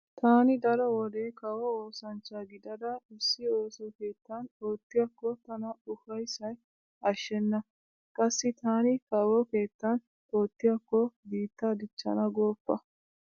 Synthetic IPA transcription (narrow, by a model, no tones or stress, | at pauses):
t̪aːnɪd̪ɐɾɔwɔd̪eːkɐwɔoːsɐnt͡ʃːaɡɪd̪ɐd̪ɐɪsːɪo̞ːsɔke̞ːt̪ːɐnoːt̪ːɪjɐkːɔt̪ɐnɐʊfɐjsɐj | ɐʃːɛnːɐ | kʼɐsːɪt̪aːnɪkɐwɔke̞ːt̪ːɐn | oːt̪ːɪjɐkːɔbiːt̪ːɐd̪ɪt͡ʃːɐ̰nɐɡo̞ːpːɐ